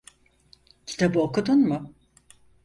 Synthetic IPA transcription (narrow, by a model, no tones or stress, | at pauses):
cʰi̥t̪ʰabɯokud̪unmʊ